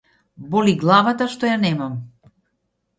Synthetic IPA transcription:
bɔliɡlˠavat̪aʃt̪ɔjanɛmam

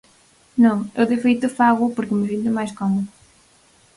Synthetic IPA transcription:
nɐ̃w̃ewðɪfejt̪ʊfaɣʊpoɾkɪmɪsĩnt̪ʊmajskɔmʊ

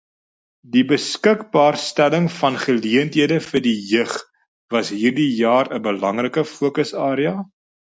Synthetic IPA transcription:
dibəskəkbɑːrstæləŋfɐnχəliəntɦiədəfərdijəχ | vɐsɦiːrdijɑːɾəbəlɐŋrəkəfuəkəsɑːɾiɐ

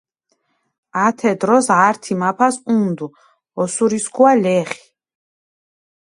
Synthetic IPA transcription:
at̪ʰɛd̪ɾɔsaɾt̪ʰimapʰasund̪u | ɔsuɾiskʰualɛːχi̥

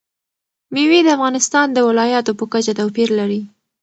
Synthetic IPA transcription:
miwid̪əafɣɑnɪst̪ɑnd̪əwɪlɑjɑt̪opəkat͡ʃat̪awpiɾlaɾi

